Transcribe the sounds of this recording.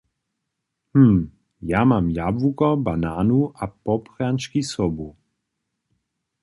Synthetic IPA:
h̩ | jamamjabvukɔbanaːnuʔapɔpχanʃkisɔbu

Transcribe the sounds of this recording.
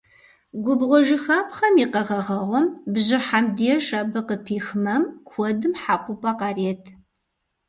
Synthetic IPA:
ɡʷʊbʁʷɔʒɪxaːpχɐmiːqɐʁɐʁɐʁʷɔmbʑɪħamdiɛrʃʼɐːbɨqəpʰiːxmɐmkʷʰɔdɨmħaːqʷʊpʼɐqɑːreːtʰ

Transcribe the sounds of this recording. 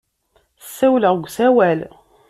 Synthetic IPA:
sːæwləʁəɡʷːsæwæl

